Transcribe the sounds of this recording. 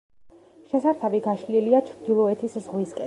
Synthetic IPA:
ʃɛsaɾt̪ʰabiɡaʃliliat͡ʃʰɾd̪ilˠɔɛt̪ʰiszʁwiskʼɛ

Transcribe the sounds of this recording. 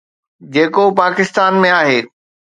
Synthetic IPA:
d͡ʑeːkopaːkɪst̪aːnmẽaːɦeː

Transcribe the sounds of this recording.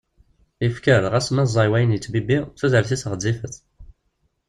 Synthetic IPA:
ifkəɾʁæsmæzˤːɑjwæjənjət͡sːbibiθæzəlθisəʁəd̪ːifəθ

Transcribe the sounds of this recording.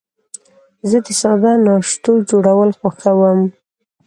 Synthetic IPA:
zəd̪əsɑd̪ɑnɑʂt̪od͡ʒoɽawəlxaxawəm

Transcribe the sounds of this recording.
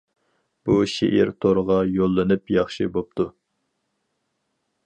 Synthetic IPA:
b̥uʃḛʔiɾt̪ʰoɾʁɑjolˠːɨnɨpjɑχʃibop̚t̪ʰu

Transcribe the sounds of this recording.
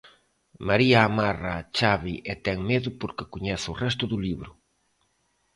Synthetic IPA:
maɾiaːmarat͡ʃaβiʔɛt̪ɛŋmeðʊpoɾkɪkuɲɛθʊrɛs̬t̪ʊðʊliβɾʊ

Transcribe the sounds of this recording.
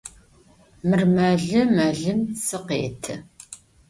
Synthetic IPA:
mɨrmɐɮɨmɐɮɨmsɨqḛːtʰɨ

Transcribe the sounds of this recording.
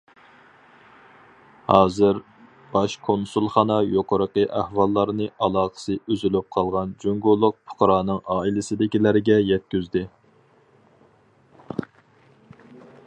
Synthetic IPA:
hɑːzɪɾ | b̥ɑʃkʰonsulˠχɑnɑjoqəɾəqəʔæhwɑlˠːɑɾnɨʔɑlˠɑːʁə̥sɨøzylyp̚qʰɑlˠʁɑnd͡ʒoŋɡolˠːʊq̚pʰʊ̥qɾɑːnɨŋɑːilɪsɪd̪ɪkʲilæɾɡʲɛjɛt̪̚kʲyzd̪ɪ

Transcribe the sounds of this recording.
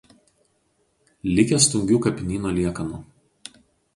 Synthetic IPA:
lʲɪkʲɛst̪ʊŋʲɡʲuːkɐpʲɪnʲiːnoːlʲiɛkɐnu

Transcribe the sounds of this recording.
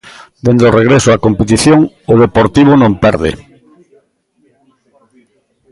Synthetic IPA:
d̪end̪oreɣɾesʊakompet̪̬iθjoŋ | ʊðepoɾt̪iβ̞ʊnõmpɛɾðḛ

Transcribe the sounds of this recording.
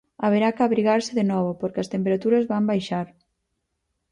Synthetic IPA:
aβeɾakaβɾiɣaɾsɪðenɔβopoɾkɪɐst̪empeɾat̪uɾɐzβambajʃaɾ

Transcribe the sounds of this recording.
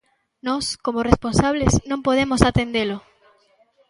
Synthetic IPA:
nɔskomoresponsaβleznõmpoð̞emosat̪end̪elo

